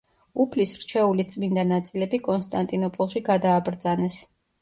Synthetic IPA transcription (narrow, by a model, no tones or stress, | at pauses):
upʰlisɾt͡ʃʰɛulit̪sʼmind̪anat̪sʼilɛbikʼɔnst̪ʼant̪ʼinɔpʼɔlˠʃiɡad̪aːbɾd̪zanɛs